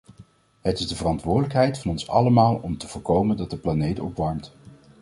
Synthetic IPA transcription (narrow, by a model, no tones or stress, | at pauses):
ɦətɪzdəvərɑntʋʊːɹdələkɦɛjtfɑnɔnsɑ̰ləmaːlˠɔmtəvʊːɹkowməndɑt̚dəplanejtɔ̰pʋɑɹmt